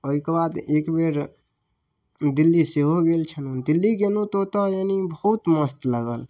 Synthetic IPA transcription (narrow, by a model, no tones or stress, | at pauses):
oɦikebaːd̪eːkbeːɾ | d̪ilːiseɦoɡeːlt͡ʃʰənũd̪ilːiɡenũt̪ot̪ɔjanibəːt̪məst̪ləɡəl